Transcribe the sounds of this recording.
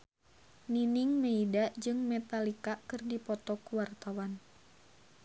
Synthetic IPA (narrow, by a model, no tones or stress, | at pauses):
niniŋmeidaʔd͡ʒɨŋmɛt̪alikakɨrdipɔt̪ɔkuwart̪awan